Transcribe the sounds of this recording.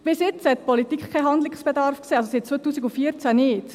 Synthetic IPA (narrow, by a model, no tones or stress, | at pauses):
b̥ɪsjɪt͡shɛt̚pɔlit̪iːkχkʰːaɦɑnd̪lɪksb̥ɛdɑrfkseːɑlsosit̚t͡sʋojtuːsiɡufiːəɾt͡sænɪːt